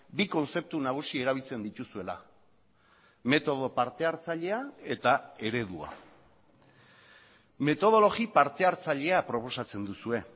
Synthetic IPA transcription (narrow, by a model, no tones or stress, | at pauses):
biko̞nse̞p̚t̪unaɣ̞usie̞ɾaβ̞ilt͡se̞nd̪it̪usue̞la̰ | me̞t̪o̞ð̞o̞paɾt̪e̞aɾt͡saʎe̞ae̞t̪ae̞ɾe̞ðua̰ | me̞t̪o̞ð̞o̞lo̞ɣipaɾt̪e̞aɾt͡saʎe̞apɾo̞po̞sat͡se̞nd̪usue̞